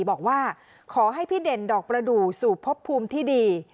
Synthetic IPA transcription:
bɔː˨˩k̚waː˥˩ | kʰɔː˩˦ɦa˥˩jpʰiː˥˩de˨˩ndɔː˨˩k̚pɾa˧duː˨˩suː˨˩pʰo˦˥pʰːuː˧mt̪ʰiː˥˩diː˧

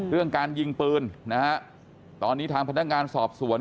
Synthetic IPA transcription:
ɾɯ˥˩əŋkaː˧nji˧ŋpɯː˧nna˦˥ha˦˥ʔ | t̪ɔː˧nːiː˦˥t̪ʰaː˧ŋpʰa˧nːa˦˥k̚ŋaː˧nsɔː˨˩p̚su˨˩˦ə

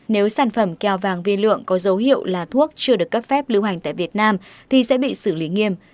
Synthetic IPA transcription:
ne˨˦wsaː˧˩nfə˧˩mka˧˩wvaː˨˩ŋvi˧lɨ̰˧˨əŋkɔ˨˦zə˨˦wɦḭ˧˨əwlaː˨˩t̪ʰu˦˥ək̚t͡ɕɨ˧əɗɨ˨˩əkːə˦˥p̚fɛ˦˥p̚lɨ˨˧wha˨˩jŋ̟t̪a̰ː˧˨vi˨˩ət̚naː˧mt̪ʰi˨˩sɛ̰˧˥ɓḭ˧˨sɨ˧˩li˨˦ŋi˧əm

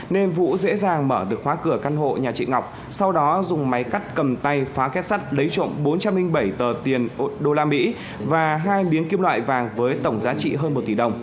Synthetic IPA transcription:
ne˧nvṵ˧˥zḛ˧˥zaː˨˩ŋməː˧˩ɗɨ˨˩ək̚hwaː˨˦kɨ˧˩əka˧nɦo̰˧˨ɲaː˨˩t͡ɕḭ˧˨ŋa˨˩wk͡p̚ | sa˧wɗɔ˨˦zʊ˨˩ŋ͡mma˨˦jka˦˥jk̟̚kə˨˩mt̪a˧jfaː˨˦kɛ˦˥t̚sa˦˥t̚lə˨˦jt͡ɕo̰˧˨mɓo˨˦nt͡ɕa˧mlï˧ŋ̟ɓə˧˩jt̪əː˨˩t̪i˨˩ənɗo˧laː˧mḭ˧˥ | vaː˨˩ɦaː˧jɓi˨˦ənki˧əmlwa̰ː˧˨jvaː˨˩ŋvəː˨˦jt̪ə˧˩wŋ͡mzaː˨˦t͡ɕḭ˧˨ɦəː˧nmo˨˩t̚t̪i˧˩ɗə˨˩wŋ͡m

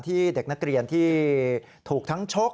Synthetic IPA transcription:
t̪ʰiː˥˩de˨˩k̚na˦˥k̚ɾi˧ənt̪ʰiː˥˩ | t̪ʰuː˨˩k̚t̪ʰa˦˥ŋt͡ɕʰo˦˥k̚

